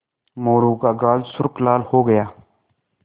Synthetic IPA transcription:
moːɾuːkaːɡaːlsʊɾklaːlhoːɡəjaː

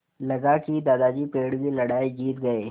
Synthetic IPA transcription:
lɐɡaːkid̪aːd̪aːd͡ʒipeːɽbilɐɽaːid͡ʒiːt̪ɡɐeː

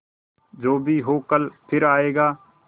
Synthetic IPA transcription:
d͡ʒoːbʱiːɦoːkəlpʰɪɾaːeːɡaː

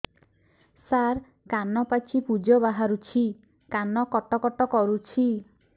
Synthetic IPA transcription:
saɾ | kanɔpat͡ʃʰipud͡ʒɔbaɦaɾut͡ʃʰi | kanɔkɔʈɔkɔʈɔkɔɾut͡ʃʰi

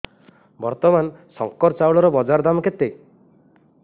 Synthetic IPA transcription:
bɔɾt̪ɔmansɔŋkɔɾt͡ʃawɭɔɾɔbɔd͡ʒaɾd̪amɔket̪e

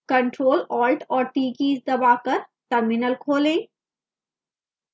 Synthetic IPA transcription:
kə̃ɳʈɾoːlɔːlʈɔːɾʈiːkiːzd̪ɐbaːkɐɾʈəɾmɪnəlkʰoːlẽː

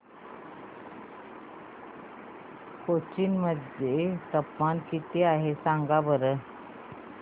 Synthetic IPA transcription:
kot͡ɕiːnməd̪ːjet̪əpmankit̪eaɦesãŋɡabəɾə

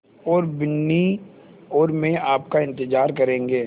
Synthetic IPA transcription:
ɔːɾbɪnːi | ɔːɾmẽaːpkaɪ̃nt̪ɪd͡ʒaːɾkɐɾẽːŋɡeː

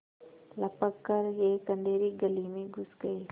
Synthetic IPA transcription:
lɐpəkːəɾjeːkə̃nɖ̪eːɾiɡɐlimẽɡʱʊsɡɐi

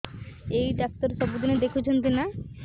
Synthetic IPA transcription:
ejɖak̚t̪oɾsʃɔbud̪ined̪ekʰut͡ɕʰent̪ina

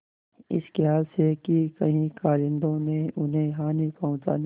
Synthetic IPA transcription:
ɪ̰skeɦaːlsekikɐɦĩkaːlɪ̃nd̪õmẽʊnɦẽɦaːnipɐɦũt͡ʃa̰ːn

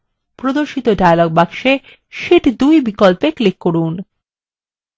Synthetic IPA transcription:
pɾod̪oɾʃit̪oɖajloɡ̚bakʃe | ʃiʈd̪ujbikolpeklikːoɾun

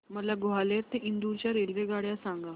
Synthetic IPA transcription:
məlaɡoɦaleɾt̪ẽʔind̪uːɾt͡ɕjaɾelʋeɡaɽjasãŋɡa

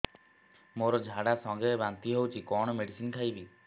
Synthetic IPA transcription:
moɾɔd͡ʒʱaɽasɔŋɡebant̪iɦewt͡ʃʰikɔɽ̃ɔmeɽisinkʰajbi

